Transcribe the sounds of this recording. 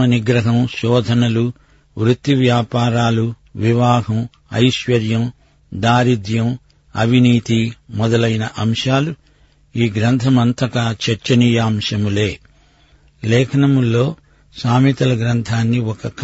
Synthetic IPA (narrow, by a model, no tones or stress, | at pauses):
ɐniɡɾɐɦɐmʃɔːd̪ʱɐnɐlu | ʋɾut̪ːiʋjaːpaːɾaːlu | ʋiʋaːɡɐm | ɐ̰jʃʋɐɾjɐm | d̪aːɾid̪jɐm | ɐ̰bʱiniːt̪imɔd̪ɐlɐjnɐʔɐmʂaːlu | iːɡɾɐnt̪ʰɐmɐnt̪ɐkaːt͡ʃɐɾt͡ʃɐnijaːmʂɐmuleː | lɛːkʰɐnɐmulːoː | saːmit̪ɐlɐɡɾɐnt̪ʰaːnːiɔkɐk